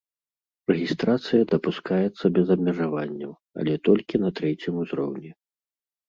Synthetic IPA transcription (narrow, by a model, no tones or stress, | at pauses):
rɛɣʲist̪ɾat̪sɨjɐd̪ɐpuskajɛt̪sːɐbʲɛzɐbmʲɛʐavanʲːɐw | ɐ̰lʲɛt̪ɔlʲkʲinɐt̪ɾɛt͡sʲimuzɾɔ̰wnʲɛ